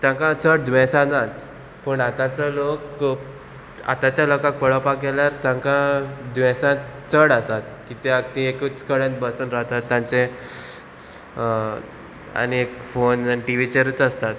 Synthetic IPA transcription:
t̪jãŋkãt͡səɽd̪ʋɛ̃sãnãt̪ | pəɳat̪ãt͡sɔlok | a̰t̪at͡ɕjalɔkak̚pəɭəpakeljaɾt̪jãŋkad̪ʋɛ̃sãt̪t͡səɽasat̪̚kit̪eaɡ̚t̪ĩekət͡skəɽẽnt̪bəsənɾaɦt̪at̪ːjãɲt͡se | a̰niekfonʈiʋit͡ɕeɾət͡səst̪at̪

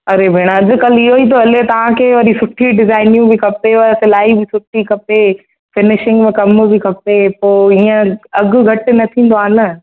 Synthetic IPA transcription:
ɐɾebʱeːɽ̃aɐd͡ʑʊ̆kɐliɦoit̪̬ʰoɐlet̪ɐʋ̤ãkʰeːʋɐɗisʊʈʰiɖɪzaːɪnijũbʱikʰɐpeʋɐsɪlaːibʱisʊʈʰikʰɐpe | fɪnɪʃɪ̃ŋɡmɪ̃kɐmbʱikʰɐpepoːiə̃ɐɡʊ̆ɡʱɐʈɪ̆nɐt̪ʰĩːn̆d̪oaːlə

